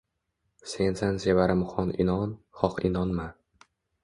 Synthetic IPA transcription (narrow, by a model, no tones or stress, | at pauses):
se̞nsanzevaɾɪmχɒnʔɪ̰nɒn | χɒqɪnɒnma